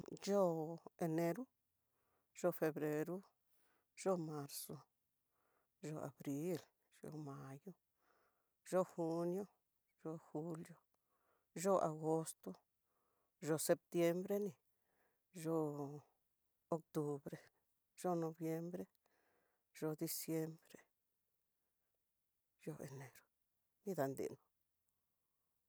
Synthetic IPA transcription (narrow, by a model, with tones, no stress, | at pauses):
d͡ʒo˦e˨ne˧ɾu˦ | ʒ̥o˧fe˧bɾe˧ɾu˦ | ʒ̥o˦ma˧ɾso˧ | ʒo˧a̰˨bɾi˦l | ʒ̥o̰˧˨ma˧jo˦ | ʒo˦xu˧njo˦ | ʒ̥o˧xu˧ljo˦ | ʒo˦ʔa̰˨ɡo˦st̪o˦ | ʒo˧se˧p̚t̪je˧mbɾe˦ni˨ | ʒo˧ | o˧k̚t̪u˧bɾe˨ | ʒ̥o˦no˧bje˧mbɾe˦ | ʒ̥o˧d̪i˧sje˧mbɾe˧ | ʒo˧ḛ˨ne˨ɾo̥˨ | ni˦d̪a˨nd̪ḭ˨no̥˨